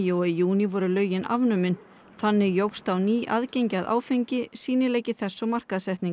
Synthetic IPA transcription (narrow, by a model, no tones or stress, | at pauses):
ɔijuːnivɔɾʏlœːɥjɪnʔa̰vnʏmɪn | θanːɪɣjowxst̪awniːʔa̰ðcejɲcɪaðʔa̰ːwfejɲcɪsiːnɪlejcɪθɛsːɔmar̥kaðsɛht̪niŋk